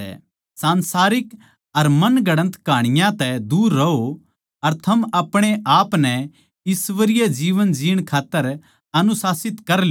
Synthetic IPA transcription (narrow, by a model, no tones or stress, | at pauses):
ɛ̰ | sãːnsaːɾɪk | ɐɾmɐnɡɐɽ̃ə̃nt̪kaːɽ̃ɪjãt̪ɛd̪uːɾːɐo | ɐɾt̪ʰɐmɐpɽ̃eʔaːpnɛ | ɪsʋəɾɪjɛd͡ʒiːʋənd͡ʒiːəɽ̃kʰaːt̪ːəɾ | ɐnʊsaːsɪt̪kɐɾl